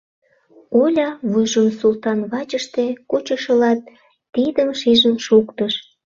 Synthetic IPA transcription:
olʲɑβujʒonsult̪ɑnβɑt͡ɕəʃt̪ekut͡ɕəʃəlɑt̪̚ː | id̪əmʃiʒəmʃukt̪əʃ

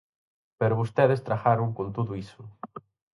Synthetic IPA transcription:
peɾʊβost̪ɛðest̪ɾaxaɾʊŋkont̪uðʊisʊ

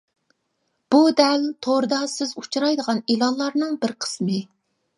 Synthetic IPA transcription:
b̥ud̪ɛlt̪ʰoɾd̪ɑsɪzut͡ʃʰuɾɑjd̪əʁɑnilˠɑnlˠɑɾnɨŋbɪɾqʰə̥smɨ

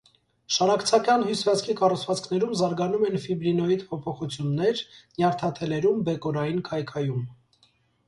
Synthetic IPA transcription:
ʃɑɾɑkʰt͡sʰɑkɑnɦusvɑt͡skʰikɑrut͡sʰvɑt͡skʰn̪ɛɾumzɑɾɡɑnumɛnfibɾinɔid̪pʰɔpʰɔχut͡sʰjunːɛɾnjɑɾt̪ʰɑt̪ʰɛlɛɾumbɛkɔɾɑjinkʰɑjkʰɑjum

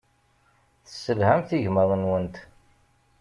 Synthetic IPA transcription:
θəsːəlhæmθiʝməðˤənwənt̪

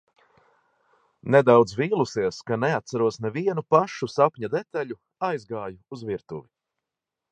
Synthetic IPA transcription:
nɛd̪awd̪zviːlˠusiɛskanɛat̪saɾuɔsnɛviɛnupaʃusapɲad̪et̪aʎu | ajzɡaːjuːzviɾt̪uvi

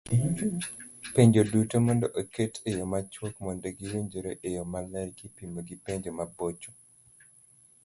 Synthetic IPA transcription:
peɲd͡ʒodutomɔndɔʔoketʰejomat͡ʃwokmɔndɛɡiweɲd͡ʒoɾoʔejomalɛlkipimoɡipeɲd͡ʒomabot͡ʃo̥

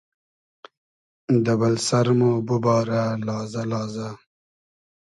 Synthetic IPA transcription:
d̪ɐbɐlsɐɾmobubɑːɾalɑːzalɑːza

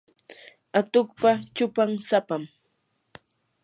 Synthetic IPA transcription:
at̪ʊkpat͡ʃʊpaŋsapam

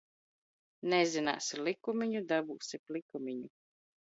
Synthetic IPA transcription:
nɛzina̰ːsilikumʲiɲud̪abuːsiplikumʲiɲu

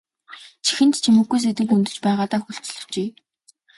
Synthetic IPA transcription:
t͡ɕʰi̥xɘ̆nt̪t͡ɕʰimɘ̆ɡːujs̬et̪ɘ̆kunt̪ɵ̆t͡ɕpæːʁaːt̪aːxuɬt͡s̆ɮɵ̥̆t͡ɕeː

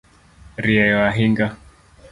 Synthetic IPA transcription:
ɾiɛwaɦiŋɡa

